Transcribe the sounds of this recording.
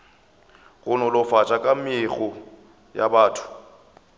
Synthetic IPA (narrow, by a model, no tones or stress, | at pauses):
ɣʊnɔlʊfat͡ʃʼakʼamɪɪɣʊ | jabaːtʰʊ̥